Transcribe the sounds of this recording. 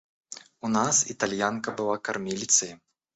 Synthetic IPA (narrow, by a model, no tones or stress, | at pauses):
unasit̪alʲjankɐbɨlˠakarmʲilʲit̪sɨji